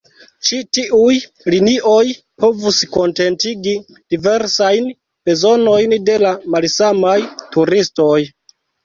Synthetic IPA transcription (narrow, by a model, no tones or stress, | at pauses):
t͡ʃitiʔuj | liniʔo̞j | po̞vusko̞nte̞ntiɡi | d̥ive̞ɾsajn | b̥e̞zo̞no̞jnde̞lamalsamajtuɾisto̞j